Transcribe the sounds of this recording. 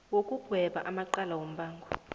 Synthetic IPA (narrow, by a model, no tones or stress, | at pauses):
wokʼuɡ̥ʱwɛɓaʔamaǃalawom̩baːŋɡʱɔ